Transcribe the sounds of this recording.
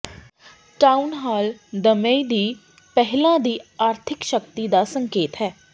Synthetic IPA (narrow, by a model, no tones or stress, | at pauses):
ʈaːunɦaːld̪əmeid̪iː | pɛɦlãːd̪iːaːɾt̪ʰɪkʃəkt̪iːd̪aːsəŋkeːt̪ɦɛː